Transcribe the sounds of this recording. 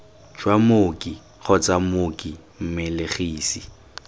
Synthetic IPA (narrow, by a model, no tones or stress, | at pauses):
d͡ʒwamokʼi | ɣɔt͡sʼamokʼi | m̩mɪlɪχiːsi